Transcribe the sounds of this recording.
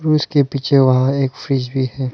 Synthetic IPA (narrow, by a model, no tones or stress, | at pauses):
ɾuːskepiːt͡ʃʰeʋɐɦãeːkfɾiːd͡ʒbʱiɦɛː